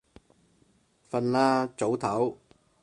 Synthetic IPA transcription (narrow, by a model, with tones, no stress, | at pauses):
fɐ˧nlaː˥t͡so˨˥wt̪ʰɐ˨˥w